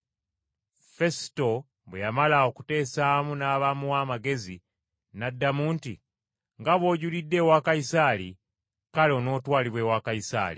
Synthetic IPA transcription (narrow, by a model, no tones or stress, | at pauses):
fe̞sto̞ | βwejamalaokute̞ːsaːmunaːβamuwaːmaɡe̞zi | nadːamuːntḭ | ŋɡaβwo̞ːɟulidːe̞wakaisalḭ | kalo̞no̞ːtwaːliβwe̞wakaisa̰ːlḭ